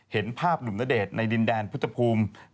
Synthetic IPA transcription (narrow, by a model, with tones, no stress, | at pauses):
he˩˦npʰaː˥˩p̚du˨˩na˦˥deː˨˩t̪̚na˧jdi˧ndɛː˧npʰu˥t̪ʰa˧pʰuː˧m